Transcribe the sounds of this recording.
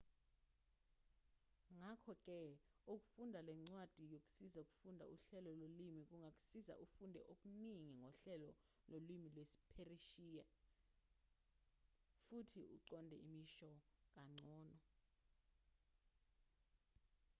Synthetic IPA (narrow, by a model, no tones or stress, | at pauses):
ŋakʰɔk̬ʼɛ | uk̬ʼu̥fundʱalɛŋ͡ǀwad̥ʱijok̬ʼu̥sizauk̬ʼu̥fundʱa̰ʔuɬɛlɔlolimik̬ʼuŋʱak̬ʼu̥siza̰ʔufundʱɛ̰ʔok̬ʼuniŋiŋʱɔɬɛlɔ | lolwimilwesi̥pʰeriʃiːjɛ | futʰiṵǃɔndʱɛ̰imiʃɔk̬ʼaŋ͡ǀʱɔːnɔ